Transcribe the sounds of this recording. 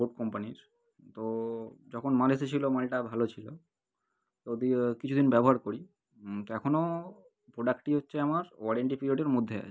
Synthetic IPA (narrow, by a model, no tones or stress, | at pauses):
boʈ̚kɔmpaniɾ | t̪od͡ʑɔkʰonmaleset͡ɕʰilomalʈabʱalot͡ɕʰilo | t̪ood̪ikit͡ɕʰud̪inbɛboɦaɾkoɾi | t̪oɛkʰono | pɾoɖakʈiɦotːɕʰeamaɾɔɽeɳʈipɾiɾioɖeɾmod̪ʱːea̰t͡ɕʰe